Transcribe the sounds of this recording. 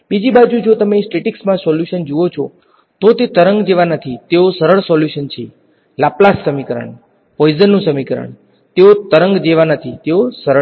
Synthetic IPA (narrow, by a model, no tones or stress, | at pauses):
bid͡ʒibad͡ʒũd͡ʒot̪əmesʈeʈiksmãsɔljuʃənd͡ʒuot͡ʃʰo̰ | t̪ot̪et̪əɾəŋɡd͡ʒeʋanət̪ʰit̪eosəɾəɭsɔljuʃənt͡ʃʰe | laplasːəmikəɾə̰ɳ | pɔjzənːũsəmikəɾə̰ɳ | t̪eot̪əɾəŋɡd͡ʒeʋanət̪ʰit̪eosəɾə